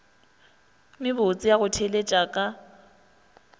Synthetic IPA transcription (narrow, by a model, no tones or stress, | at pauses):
mɪbot͡sʼɪjaɣʊtʰelet͡ʃʼakʼa